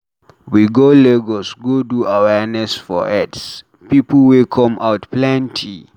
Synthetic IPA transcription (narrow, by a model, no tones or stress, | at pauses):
wiɡoleɡosɡoduawɛɹnɛsfɔ̰ʔɛts | pipl̩wikʰɔ̃mʔaʊtplɛ̃ntʰi